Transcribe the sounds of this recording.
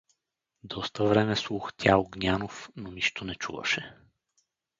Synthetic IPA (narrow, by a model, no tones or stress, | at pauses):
d̪ɔst̪əvɾɛmɛslˠuxt̪ʲaoɡnʲanofnoniʃt̪onɛt͡ʃṵvə̰ʃɛ